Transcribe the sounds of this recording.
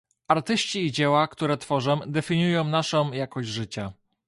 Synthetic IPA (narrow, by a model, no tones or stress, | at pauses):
aɾt̪ɘɕt͡ɕiːd͡ʑɛwakt̪uɾɛt̪fɔʐɛd̪ɛfʲiɲujɔ̃w̃naʂɔ̃w̃jakɔʑd͡ʑʐɘt͡ɕa